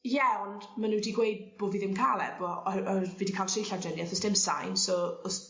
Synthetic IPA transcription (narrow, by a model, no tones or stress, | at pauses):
jɛwnmanudiːɡwejd̚b̥oːviːðɪmkʰaːlɛ̰b̥ɔviːdikʰaːlˠtʰrejɬad͡ʒɛnjɛθɔsd̥ɪmsa̰jnsɔɔs